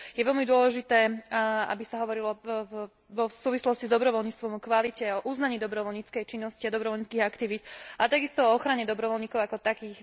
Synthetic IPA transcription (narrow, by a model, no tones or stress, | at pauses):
jɛʋɛlmid̪ʊɔlɛʒit̪ɛːa̰bisaɦɔʋɔɾilɔ | ʋɔsuːʋislɔscizd̪ɔbɾɔʋɔlɲit͡st̪ʋɔmɔkʋalicɛɔʔuznaɲiːd̪ɔbɾɔʋɔlɲiːt͡skɛjt͡ʃinːɔsciad̪ɔbɾɔʋɔlɲit͡skiːɣakt̪iʋiːt̪at̪aɡist̪ɔɔɔxɾaɲɛd̪ɔbɾɔʋɔlɲiːkɔʊakɔt̪akiːx